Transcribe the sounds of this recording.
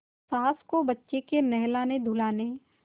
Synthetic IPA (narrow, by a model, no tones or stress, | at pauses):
saːskobɐtːʃekenɛɦlaːned̪ʱʊlaːne